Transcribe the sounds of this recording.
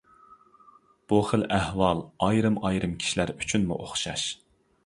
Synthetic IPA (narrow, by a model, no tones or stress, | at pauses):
b̥uχəlʔæhwɑlˠɑjɾɨmɑjɾɨmkʲʰi̥ʃilæɾy̥t͡ʃʰynmṵʔoχʃɑ̰ʃ